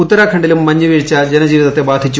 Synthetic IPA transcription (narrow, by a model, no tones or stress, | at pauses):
ut̪ːɐɾaːkʰɐɳɖilumːɐɲːɐʋiːɻit͡ɕːɐd͡ʑenɐd͡ʑiːʋiðɐt̪ːebaːd̪ʱit͡ɕːu